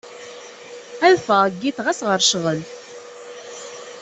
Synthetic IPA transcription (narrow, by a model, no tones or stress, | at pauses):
æðfəɡːiθʁæsʁəɾʃʁəl